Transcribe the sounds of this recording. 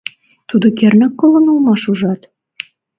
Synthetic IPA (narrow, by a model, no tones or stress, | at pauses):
t̪ud̪ŏkernɘ̆kːolɤ̆nulmɑʃuʒɑt̪